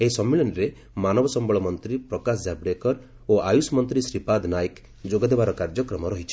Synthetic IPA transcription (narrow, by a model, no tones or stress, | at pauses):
esɔmːiɭɔnɾe | manɔbɔsɔmbɔɭɔmɔnt̪ɾipɾɔkas̬d͡ʒabɾekɔɾ | oʔajusmɔnt̪ɾisɾipad̪najk | d͡ʒoɡɔd̪ebaɾɔkaɾd͡ʒɔkɾɔmɔɾɔɦit͡ʃʰi̥